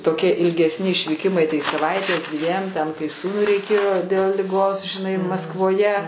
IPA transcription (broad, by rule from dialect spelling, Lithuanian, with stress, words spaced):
toːˈkʲiɛ ɪlʲɡʲɛsʲˈnʲɪ ɪʃʲʋʲiːˈkʲɪmɐɪ tɐɪ sɐˈʋɐɪtʲeːs ˈdʲʋʲiɛm tʲɛn kɐɪ ˈsuːnʊɪ rʲɛɪˈkʲeːjoː dʲɛlˠ lʲɪˈɡoːs ʒʲɪˈnɐɪ mɐskʋoːˈjɛ